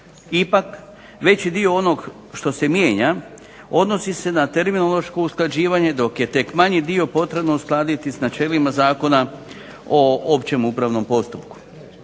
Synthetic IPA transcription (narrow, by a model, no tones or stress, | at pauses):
ipak | ʋe̞t͡ɕid̪io̞o̞no̞ɡ | ʃt̪o̞se̞mjeːɲa | o̞d̪no̞sise̞nat̪e̞ɾminolˠo̞ʃko̞usklˠad͡ʑiːʋaɲe̞d̪o̞kje̞t̪e̞kmaɲid̪io̞po̞t̪ɾe̞bnousklˠaːd̪it̪isnat͡ʃe̞ːlimazaːko̞na | o̞opt͡ɕe̞mupɾaʋno̞mpo̞st̪upku̥